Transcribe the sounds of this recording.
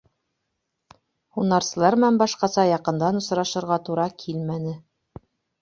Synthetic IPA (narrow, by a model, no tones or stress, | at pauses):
unɑɾsɤ̆lˠɑɾmænbɑʃqɑsɑjɑqɤ̆nd̪ɑnŏsɾɑʃɤ̆ɾʁɑt̪uɾɑkʰilmænɘ